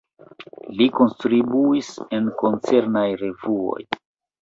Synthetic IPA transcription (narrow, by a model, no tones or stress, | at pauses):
liko̞nstɾibuise̞nko̞nt͡se̞ɾnajɾe̞vuo̞̰j